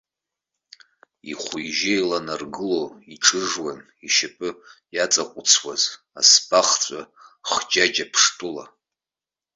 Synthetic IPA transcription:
iχʷʊjʒɪjlanarɡɨloiʈ͡ʂʰʼɨʐwan | iʃapʼɨjat͡sʼaqʷʼʊt͡sʰwaz | a̰spʰʼaχt͡sʷʼa | χd͡ʒad͡ʒapʰʂtʼɨla̰

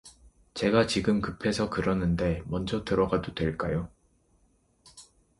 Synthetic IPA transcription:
t͡ɕe̞ɡat͡ɕiɡɯmkɯpʰe̞sʰʌkɯɾʌnɯnde̞mʌnd͡ʑʌtɯɾʌɡadodwe̞ɭk͈ajo

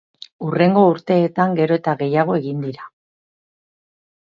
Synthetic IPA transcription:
ure̞ŋɡo̞uɾt̪e̞ːt̪aŋɡe̞ɾo̞e̞t̪aɣe̞jaɣ̞o̞e̞ɣind̪iɾa

